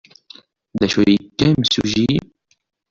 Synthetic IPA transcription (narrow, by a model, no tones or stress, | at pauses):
ðæʃujəkːæmsuʒi